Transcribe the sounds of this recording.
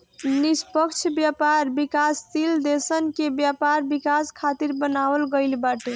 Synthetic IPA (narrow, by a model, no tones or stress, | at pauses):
nispəkt͡ʃʰbjapaɾbikast̪ild̪esənkebjapaɾbikaskʰat̪iɾbənabəlɡəɪlbaʈe